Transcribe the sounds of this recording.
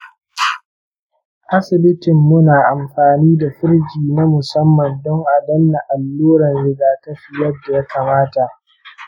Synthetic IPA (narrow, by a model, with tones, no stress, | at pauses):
ʔa˦sɪ˨bɪ˦tɪ˨mːʊ˦naː˨ʔa˨mɸaː˨niː˦da˨ɸʊ˦ɽd͡ʒiː˨na˦mʊ˨sɐ˦mːɐ˨ndɔ˦ŋʔa˨dɐ˦nːa˨ʔa˨lːoː˦ɽɐ˨nɽɪ˦ɡaː˦kɐ˦ɸi˨jɐ˦dːa˨ja˦ka˨maː˦ta˨ʔ